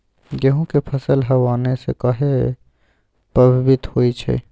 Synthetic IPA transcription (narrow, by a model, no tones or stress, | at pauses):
ɡeɦõkepʰəsəlɦɐʋaːnesḛkaɦe | pɐbʱbɪt̪hoːit͡ʃʰḛː